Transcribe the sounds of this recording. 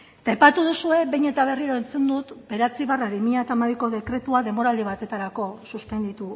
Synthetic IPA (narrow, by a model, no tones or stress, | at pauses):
t̪aejpat̪uð̞usue̞βejɲe̞t̪aβ̞e̞riɾoent͡se̞nd̪ut̪be̞ɾeat͡siβaraβimiɲat̪amaβiko̞ðe̞kɾe̞t̪uaðe̞mbo̞ɾald̪iβat̪e̞t̪aɾako̞suspe̞nd̪it̪u